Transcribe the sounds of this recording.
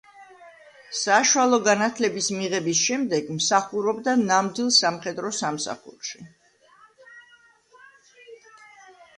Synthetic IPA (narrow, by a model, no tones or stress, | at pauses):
saʃwalˠɔɡanat̪ʰlɛbismiʁɛbisʃɛmd̪ɛɡmsaχuɾɔbd̪anamd̪wilˠsamχɛd̪ɾɔsamsa̰χṵɾʃi